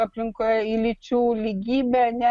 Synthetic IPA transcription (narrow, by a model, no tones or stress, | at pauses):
apliŋkɛilit͡ʃuliɡibaɲa